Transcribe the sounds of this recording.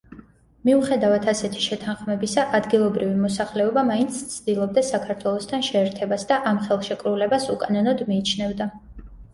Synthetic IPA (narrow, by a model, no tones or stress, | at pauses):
miuχɛd̪avat̪ʰasɛt̪ʰi̥ʃɛt̪ʰanχmɛbisaʔad̪ɡilˠɔbɾivimɔsaχlɛɔbamaint̪sʰt̪sʰd̪ilˠɔb̚d̪asakʰaɾt̪ʰwɛlˠɔst̪ʰanʃɛːɾt̪ʰɛbasd̪aʔamχɛlˠʃɛkʼɾulɛbasukʼanɔnɔd̪miːt͡ʃʰnɛvd̪a